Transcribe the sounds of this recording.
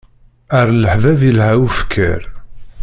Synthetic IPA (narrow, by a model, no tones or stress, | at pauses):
əɾləħvævilhæwufkʰːə̰ɾ